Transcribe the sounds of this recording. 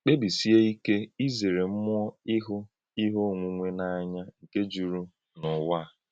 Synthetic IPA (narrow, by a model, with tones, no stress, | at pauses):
k͡pe˦bi˨si˦e˦i˦ke˦i˦ze˨ɾe˨m̩˦mʊ˦ɔ˦ɪ˦ɦʊ˦ | i˦ɦo˦˨ŋʷu˦ŋʷe˦na˨a˦ɲa˦ŋ̩˨ke˦d͡ʒu˨ɾu˦ | nʊ˨wa˦˨